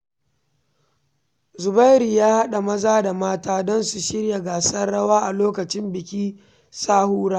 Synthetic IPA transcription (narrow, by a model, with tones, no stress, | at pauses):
zʊ˨ba˦jɾi˨jaː˦ha˦ɗa˨mɐ˦zaː˦da˨maː˦taː˦dɔ˦nsu˨ʃɪ˦ɽja˨ɡaː˨sɐ˦rɽɐ˦waː˦ʔa˨loː˦kɐ˨t͡ʃɪ˦mbɪ˨kʲiː˦ | saː˦huː˦ɽaː˦